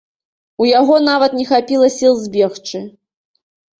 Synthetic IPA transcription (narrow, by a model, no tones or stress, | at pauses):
ujaɣɔn̪avɐt̪nʲɛxapʲilˠɐsʲilˠzʲbʲɛxt͡ʂɨ